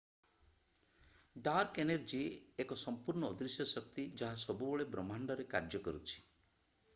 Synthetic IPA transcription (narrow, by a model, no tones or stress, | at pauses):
ɖaɾkeneɾd͡ʒieekɔsɔmpuɾɳɔːd̪ɾisjɔsɔk̚t̪id͡ʒaɦasɔbubɔɭebɾɔmaɳɖɔɾeka̰ɾd͡ʒjɔkɔɾut͡ʃʰi̥